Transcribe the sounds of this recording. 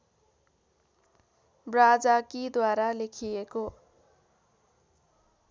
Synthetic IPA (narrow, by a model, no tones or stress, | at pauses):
brad͡zakid̪waɾalekʰieko